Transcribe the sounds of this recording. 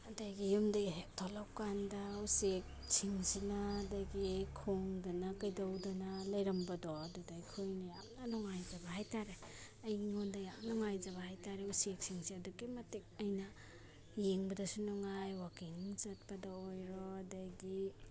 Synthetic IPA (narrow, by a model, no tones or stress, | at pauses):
adajɡijumdaɡiɦek̚tʰɔlawkandausek̚siŋsinaːdajɡikʰoŋdanakajdawdɔnalɐjɾɐmbɐdɔɐdudajkʰujnajamnanɔŋajzɐbɐhajtʰaɾe | ɐjɡiŋondajamnɔŋajzɐbahajtʰaɾeusek̚siŋsiɐdukimɐtek̚ɐjnɐ | jeŋbɐdɐsunɔŋajwakiŋzɐt̚pɐdaojɾɔdajɡi